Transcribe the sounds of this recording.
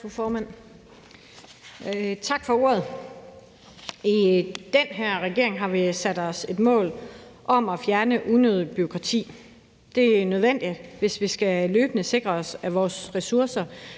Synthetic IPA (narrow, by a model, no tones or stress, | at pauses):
fufɒːmæn̰ | t͡sʰɑ̈ɡ̥fɒ̽o̝ɐ̰ðˠ | id̥enɦeɐ̰ʁɛɡ̥e̝ɐ̰e̝ŋɦɑ̈ʋisæd̥ɒ̽se̝d̥mɔ̰̽ːlʔɒ̽mɒ̽fjæɐnəʔunøðˠb̥yo̝kʰʁɑ̈t͡sʰḭː | d̥e̝ænøð̞ˠʋen̰d̥id̥ʋe̝sʋisɡ̥æløːb̥ənəse̝ɡ̥ʁɐɒ̽sæʋɒːsʁɛsuɐsɐ